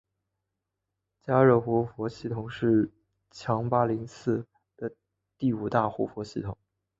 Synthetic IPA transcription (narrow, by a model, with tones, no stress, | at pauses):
t͡ɕja˥ɻɤ˥˩xwɔ˧˥fwɔ˧˥ɕi˥˩t̪ʰʊ˨˩ŋʂɻ̩˥˩ | t͡ɕʰjɑ˧˥ŋpa˥li˧˥ŋsɹ̩˥˩ | d̪̥ə˩ | t̪i˥˩u˨˩t̪a˥˩xɔ˧˥fwɔ˧˥ɕi˥˩t̪ʰʊ˨˩˦ŋ